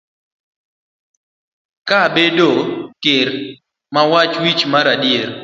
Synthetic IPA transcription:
kabedokɪɾ | mawat͡ʃwit͡ʃmaɾadjeɾ

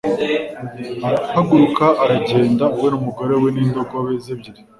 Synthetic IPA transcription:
aɾapaɡuɾukaʔaɾaɟe̞ːndauwe̞numuɡo̞ɾe̞we̞niːndo̞ɡowezebɟiɾi

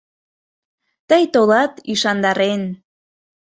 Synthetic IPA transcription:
t̪əjt̪olɑt̪iʃɑnd̪ɑɾen

